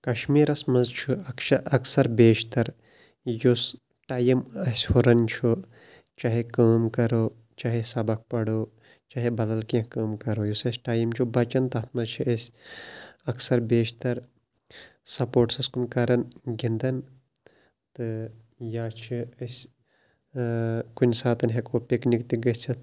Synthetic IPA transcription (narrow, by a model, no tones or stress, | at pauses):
kɐʃmiːɾɐsmɐzt͡ʃʰuɐkʃʰɐɐksɐɾbeːʃt̪ɐɾ | jus | ʈaːjimɐsʲhoɾɐnt͡ʃʰu | t͡ʃaɦekaːmkɐɾoː | t͡ʃaːɦesɐbɐk̚pɐɽoː | t͡ʃaːɦibɐd̪ɐlkɐ̃kaːmkɐɾoːjusɐsʲʈaːjimt͡ʃʰubɐt͡ʃɐnt̪ɐt̪̚ʰmɐzt͡ʃʰiɐsʲ | ɐksɐɾbeːʃt̪ɐɾ | sɐpoːʈsɐskunkɐɾɐnɡind̪ɐn | t̪ɨ | jaːt͡ʃʰiɐsʲ | kunʲsaːt̪ɐnɦekoːpiknikt̪iɡɐt͡ʃʰit̪